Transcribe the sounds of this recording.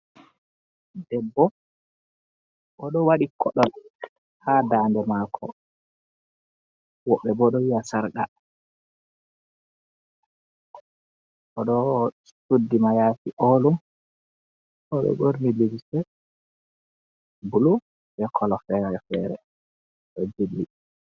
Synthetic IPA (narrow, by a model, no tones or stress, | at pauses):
dɛbːɔ | ʔɔɗɔwaɗikʰɔɗɔl | hadaːndɛmaːkʰɔ̰ | wɔɓːɛbɔɗɔwijasaɾɡa̰ | ʔɔɗɔ | sudːimajatiʔolum | ʔɔɓɛ̰boɾniliwisɛ | bulu | bɛkʰɔlɔfɛɾɛfɛɾɛ̰ | ɗɔd͡ʒilːi